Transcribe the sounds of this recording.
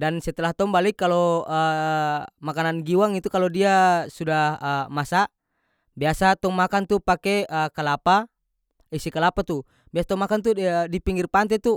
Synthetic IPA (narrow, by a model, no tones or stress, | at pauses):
dansɛt̪ɛlaht̪ɔŋbalikːalɔə | makananɡiwaŋit̪ukalɔdiasudahəmasa | biasat̪ɔŋmakant̪upakɛəkalapa | isikalapat̪u | biasat̪ɔŋmakant̪̬udipiŋɡirpant̪ɛt̪u